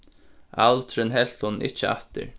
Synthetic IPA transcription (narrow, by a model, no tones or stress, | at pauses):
alt̪ʰɾɪnɦɛl̥t̪hʊnn̩ʔɪht͡ʃɪa̰ht̪ɪ̰ɾ